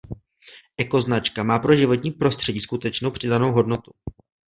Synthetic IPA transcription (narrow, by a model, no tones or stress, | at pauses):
ʔɛko̞znat͡ʃkamaːpɾo̞ʒɪvo̞t̪ɲiːpɾo̞st̪r̥ɛɟiːskut̪ɛt͡ʃno̞wpr̝̥ɪdano̞wɦo̞dno̞t̪u